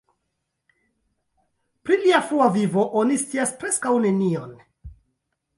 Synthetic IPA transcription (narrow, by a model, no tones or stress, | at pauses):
pɾiliafɾuavivo̞ʔo̞nist͡siaspɾe̞skawne̞nio̞n